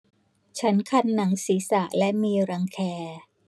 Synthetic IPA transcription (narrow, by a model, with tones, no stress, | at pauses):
t͡ɕʰa˦˥nkʰa˧nːa˩˦ŋsiː˩˦sa˨˩ʔlɛ˦˥miː˧ɾa˧ŋkʰɛː˧